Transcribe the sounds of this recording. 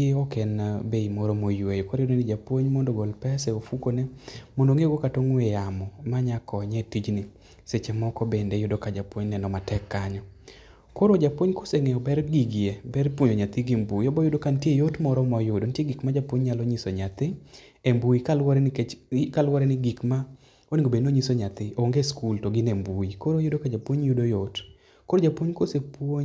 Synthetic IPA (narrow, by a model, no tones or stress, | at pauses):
eɔkɛnabeimɔɾɔmojwejokoɾjodonɪd͡ʒapwoɲmɔndoɡolpɛsɛofukonemondoŋeɡokatoŋwejamɔmaɲakʰɔɲɛtid͡ʒnɪ | set͡ʃemɔkɔbendejʊdokad͡ʒapwoɲnɛnɔmatɛkːaɲɔ | koɾod͡ʒapwoɲkoseŋɛɔbɛɾɡiɡɪebɛrpwoɲoɲat̪ɪɡɪmbuiɔbɔjʊdokantjejotmɔɾɔmɔjʊdontjeɡikmad͡ʒapwoɲɲaloɲisoɲat̪ɪ | embuikalwɾɛnkkalwɾɛnɪɡikma | oniɡobenoɲisoɲat̪ɪʔoŋɡeskultoɡɪnembuikoɾojʊdokad͡ʒapwoɲjʊdojot | koɾod͡ʒapwoɲkosepwoɲ